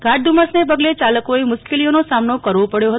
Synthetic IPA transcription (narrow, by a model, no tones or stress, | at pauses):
ɡ̥ʱaʈ̚d̪ʱumasnep̬əɡlet͡ʃaləkoemʊʃkelijonosamnokəɾʋopəɽjoɦət̪